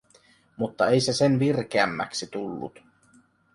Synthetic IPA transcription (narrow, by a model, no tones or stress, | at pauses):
mut̪ːɑe̞jse̞senʋirk̟eæmːæ̰ksit̪ulːṵt̪